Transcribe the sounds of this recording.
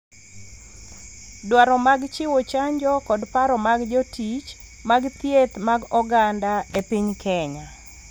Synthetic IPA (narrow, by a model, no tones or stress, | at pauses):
dwaɾɔmaɡt͡ʃɪwot͡ʃaɲd͡ʒɔkɔdpaɾɔmaɡd͡ʒɔtit͡ʃ | maɡt̪jet̪maɡɔɡandaepiɲkʰɛɲa